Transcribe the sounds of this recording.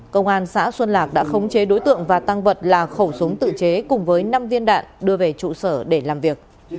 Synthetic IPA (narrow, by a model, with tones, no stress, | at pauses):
kə˧wŋ͡mʔaː˧nsa̰ː˧˥swə˧nlaː˨˩k̚ɗa̰ː˧˥xə˨˦wŋ͡mt͡ɕe˨˦ɗo˨˦jt̪ɨ̰˧˨əŋvaː˨˩t̪a˧ŋvə˨˩t̚laː˨˩xə˧˩wsʊ˨˦wŋ͡mt̪ɨ̰˧˨t͡ɕe˨˦kʊ˨˩ŋ͡mvəː˨˦jna˧mvi˧ənɗa̰ː˧˨nɗɨ˧əve˨˩t͡ɕṵ˧˨səː˧˩ɗe˧˩laː˨˩mvi˨˩ək̚